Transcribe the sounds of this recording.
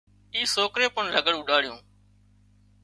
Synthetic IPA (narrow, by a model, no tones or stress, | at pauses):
iːsoːkɾeːpʊɳləɡəɽũːɗaːɽɪjõː